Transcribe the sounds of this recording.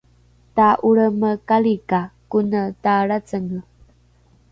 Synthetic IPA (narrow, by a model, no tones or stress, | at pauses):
taʔuɭəməkalikakunətaɭat͡səŋə